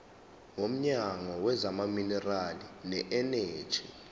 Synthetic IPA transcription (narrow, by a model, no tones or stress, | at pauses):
ŋom̩ɲaŋɔwɛzamaminɛralinɛʔɛne̥ːʒ̥ʰʱi